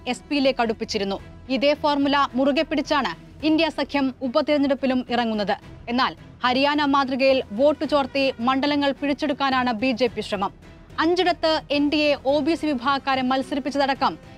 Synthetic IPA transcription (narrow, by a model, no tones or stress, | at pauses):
e̞spijile̞kːɐɽupːit͡ɕːiɾunːu | iðe̞ːfo̞ːrmulɐmuruɣɐpːiɽit͡ɕːaːɳɨ | ind̪jɐsɐkʰjɐmubɐt̪iɾɐɲːiɽupːilumirɐŋːunːɐðɨ | e̞nːaːl | hɐɾijaːnɐmaːd̪riɣɐjilʋo̞ːʈːɨt͡ɕo̞ːrt̪imɐɳɖɐlɐŋːɐɭpiɽit͡ɕːe̞ɽukːaːnaːɳɨbiːd͡ʑe̞ːpiɕrɐmɐm | ɐɲd͡ʑiɽɐt̪ːɨe̞nɖije̞ʔo̞ːbiːsiʋibʱaːɣɐkːaːɾɐmːɐlsɐɾipːit͡ɕːɐðɐɽɐkːɐm